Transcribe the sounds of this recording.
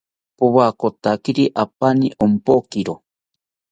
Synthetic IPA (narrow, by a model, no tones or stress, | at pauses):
puwakot̪akiɾiʔapaniʔompokiɾo